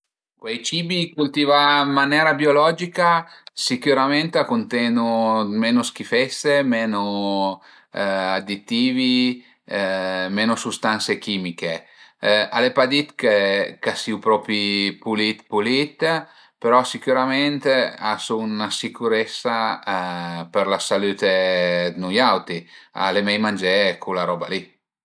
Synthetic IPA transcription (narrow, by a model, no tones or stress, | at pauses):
kwejt͡ʃiːbikult̪iːvamːanɛːɾabiolɔd͡ʒikasikuɾament̪akunt̪ɛnumeːnoskifɛsemeːno | ad̪it̪ːiːvi | meːnosust̪ant̪sekiːmike | alepad̪it̪kekasiupɾɔpɾipulit̪pulit̪ | peɾɔsikuɾameɛnt̪easunasikuɾɛsːa | peɾlasalyːt̪ed̪nujawt̪ia̰lemɛjmand͡ʒɛkʰulaɾɔbali